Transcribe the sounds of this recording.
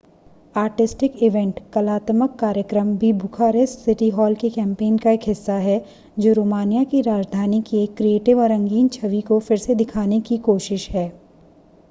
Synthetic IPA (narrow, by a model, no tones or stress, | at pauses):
aːɾʈɪsʈɪkɪʋɛ̃ɳʈkɐlaːt̪məkːaːɾjəkɾəmbʱibʱʊkʰaːɾessɪʈiɦɔːlkekɛ̃ːmpeːnkaeːkɦɪsːaɦɛ | d͡ʒoːɾoːmaːnijakiɾaːd͡ʒd̪ʱaːnikieːkːɾieːʈɪʋɔːɾɐ̃ŋɡiːnt͡ʃʰɐʋikofɪɾsed̪ɪkʰaːnekikoːʃɪʃɦɛː